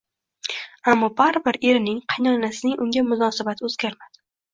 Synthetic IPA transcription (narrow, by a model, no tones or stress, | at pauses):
amːɒbaɾbɪɾe̞ɾɪnɪŋqʰɑjnɒnasɪnɪŋʔʊŋɡʲamʊnɒsabat̪ʰoz̥ɡʲaɾmad̪̥ɪ̥